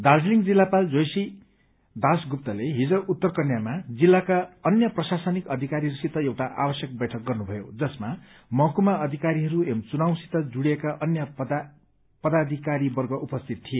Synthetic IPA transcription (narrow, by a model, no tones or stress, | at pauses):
d̪ard͡zliŋd͡zilːapald͡zojsi | d̪ʱasɡup̚t̪ʌleɦid͡zʌʔut̪ːʌrkʌnjamad͡zilːakaʌnjʌprʌsasʌnikʌd̪ʱikaɾiɾusit̪ʌewʈaʔa̰bʌsjʌk̚bʌjʈʰʌk̚ɡʌrnubʱʌjo̰d͡zʌsma | mʌɦkumaʔʌd̪ʱikaɾiɦʌɾuemt͡sunawsi̥t̪ʌd͡zuɽjekaʔʌnjʌ | pʌd̪ad̪ʱikaɾibʌrɡʌʔupʌst̪ʰit̪ʰːie